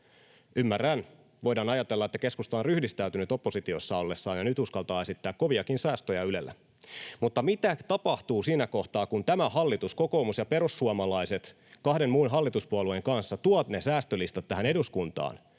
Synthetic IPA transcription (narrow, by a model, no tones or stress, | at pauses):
ymːærːæn | ʋo̞jdɑːnɑjɑt̪elːɑet̪ːæke̞skust̪ɑːnryhdist̪æyt̪ynyt̪o̞pːo̞sit̪io̞sːɑo̞lːesːɑːnjɑnyt̪uskɑlt̪ɑːe̞sit̪ːæːkko̞ʋiɑkinsæːst̪øjɑylḛlːæ̰ | mut̪ːɑmit̪æt̪ɑpɑht̪uːsiːnæko̞ht̪ɑːkunt̪æmæhɑlːit̪usko̞ko̞ːmusjɑpe̞ɾusːuɑmɑlɑiset̪ | kɑhde̞nmuːnɦɑlːit̪uspuolueŋkɑnsːɑt̪uɑt̪ne̞sæːst̪ølist̪ɑt̪ːæɦæne̞duskunt̪ɑ̰ːn